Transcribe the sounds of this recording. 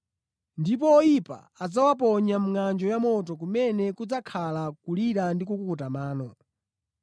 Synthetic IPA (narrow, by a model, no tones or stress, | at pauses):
ndip̬ɔːjipa̰ | ad͡zawap̬ɔɲam̩ŋand͡ʒɔjamɔt̬ɔk̬umɛnɛkud͡zakʰalakuliɾandikukukutamaːnɔ